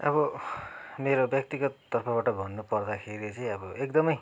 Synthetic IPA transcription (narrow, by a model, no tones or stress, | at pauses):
ʌ̰βʌ | meɾobjʌk̚t̪iɡʌt̪ːʌrpʰʌβaʈʌbʱʌnːupʌrd̪akʰeɾit͡sʌj̃ʌbʌek̚d̪ʌmʌj